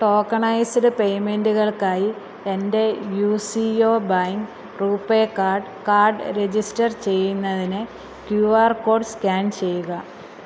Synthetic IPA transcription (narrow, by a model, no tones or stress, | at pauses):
ʈo̞ːkːɐɳɐjsɽɨpe̞jme̞nduɣɐɭkaːji | ende̞juːsio̞ːbajiŋ | ruːpːekːaːrɖ | kaːrɖɨɾed͡ʑisʈɐrt͡ɕe̞jːunːɐðinɨ | kjuːaːrko̞ːɖskʲaːɳt͡ɕe̞jːuɣɐ